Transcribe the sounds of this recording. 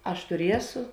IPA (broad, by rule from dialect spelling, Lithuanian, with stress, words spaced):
ˈɐʃ tʊˈrʲiɛsʊ